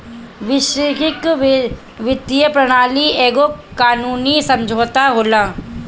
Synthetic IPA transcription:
ʋɪʃkɪk | ʋɪd̪ijəpɾɐɽ̃aːlieːɡokaːnuːnisɐ̃md͡ʒʱoːt̪aɦoːlaː

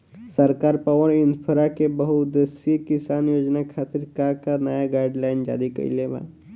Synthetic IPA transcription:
sɐɾkaːɾpəʋəɾɪnd̪pʰəɾakebəɦut̪d̪esikɪsaːnjoːd͡ʒnakʰaːt̪ɪɾkãkanəjaɡaːɪɖlaːɪnd͡ʒa̰ːɾikɐ̰ḭleba̰ː

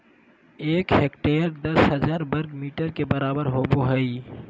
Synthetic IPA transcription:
eːkɦeːkʈeːəɾd̪ɐsɦəzaːɾbəɾɡmiːʈəɾkebəɾaːbəɾɦoːboɦəi

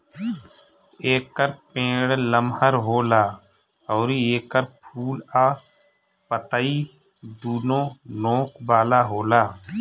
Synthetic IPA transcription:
eːkːəɾpẽːɽləmɦəɾɦoːlaː | ɔːɾieːkːəɾpʰuːlaː | pət̪ai | d̪uːnõːnõːkbaːlaːɦoːlaː

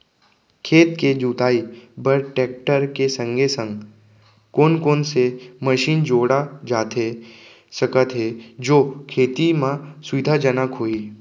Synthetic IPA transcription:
kʰeːt̪ked͡ʒuːt̪aːibəɾʈeːk̚ʈəɾkesə̃ŋɡʱesə̃ŋɡ | koːnkoːnseməʃiːnd͡ʒoːɽad͡ʒaːt̪e | səkət̪ɦed͡ʒoːkʰeːt̪imãsʊɪd̪ʱad͡ʒənəkɦoːiː

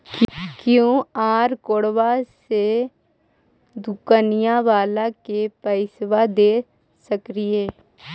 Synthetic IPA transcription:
kjõːaːɾkoɽʋase | d̪ukənijãʋaːlakepəɪsʋad̪eː | səkɾieː

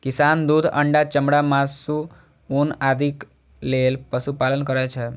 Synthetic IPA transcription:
kisand̪ud̪ʱə̰ɳɖat͡ʃəmɽamasu | unad̪ʱik | lelpəsupalənkəɾɛt͡ʃʰɛ

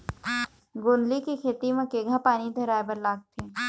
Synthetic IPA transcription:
ɡoːnd̪likekʰeːt̪imɐ̃keɡʱãpaːnid̪ʱɐɾaːebɐɾlaːk̚t̪ʰeː

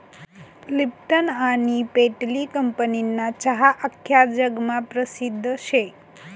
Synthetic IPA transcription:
lip̚ʈənanipeʈlikəmpəninːat͡ɕaɦaʔəkʰːjad͡ʒəɡmapɾəsid̪ʱːəʃek

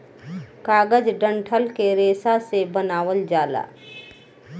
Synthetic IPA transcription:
kaːɡəd͡ʒɖə̃ɳʈʰəlkeɾeːsasebənaːwəld͡ʒaːla̰ː

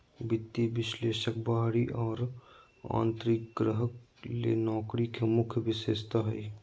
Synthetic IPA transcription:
bɪt̪ːiʋɪsleːʃək̚baːɦɽiʔɔːɾ | ã̰ːnt̪ɾɪkɡɾəɦək | lḛnɔːkɾikemʊkʰjəʋɪʃeːst̪aɦɛ̰

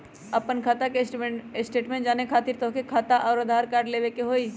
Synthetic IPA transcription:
ɐpənkʰaːt̪akesʈeɪsʈeːʈmẽɳʈd͡ʒaːnekʰaːt̪iːɾt̪ɔɦkekʰaːt̪aʔɔːɾɐd̪ʱaːɾkaːɾɖleːʋekeɦoːiː

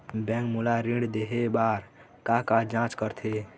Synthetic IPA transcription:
bɛ̃ːŋkmulaɾĩɽd̪eɦebaːɾ | kakad͡ʒãt͡ʃkəɾt̪ʰe

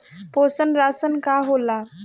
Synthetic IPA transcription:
poːsənɾaːsənkaːɦoːla

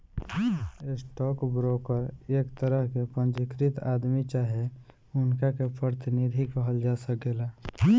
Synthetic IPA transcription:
esʈɔːkbɾokəɾeːkt̪əɾəɦkepə̃nd͡ʒɪkɾit̪aːd̪mit͡ʃaːɦe | ʊnkakepɾəɾt̪ɪnid̪ʱikəɦəld͡ʒaːsək̚ɡela

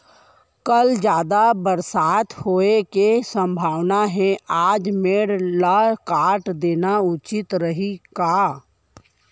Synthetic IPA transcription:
kəld͡ʒjaːd̪abəɾsaːt̪hoːekesə̃mbʱaːʋnaɦɛ̃aːd͡ʒmeːɽlakaːʈd̪eːnaʊt͡ʃɪt̪ɾəɦika

